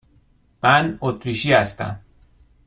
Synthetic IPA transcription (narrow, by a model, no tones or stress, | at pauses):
mænot̪ʰɾiʃiæst̪æ̰m